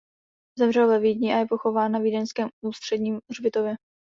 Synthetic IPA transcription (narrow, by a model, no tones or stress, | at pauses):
zɛmrɛlvɛviːdɲiːʔajɛpo̞xo̞vaːnːavidɛnskɛːmuːst̪r̥ɛdɲiːmrbɪt̪ovjɛ